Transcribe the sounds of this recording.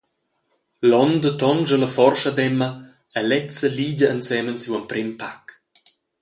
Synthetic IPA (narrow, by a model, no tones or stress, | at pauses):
lɔnd̪ətɔnʒələfɔrʃad̪ɛmːə | ɛlɛt͡səliːɟəənsɛmənsiwəmpɾɪmpak